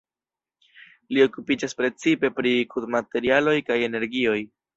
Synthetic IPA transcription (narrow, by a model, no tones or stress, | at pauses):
lio̞kupid͡ʒaspɾe̞t͡sipe̞pɾikudmate̞ɾialo̞jkaje̞ne̞ɾɡio̞j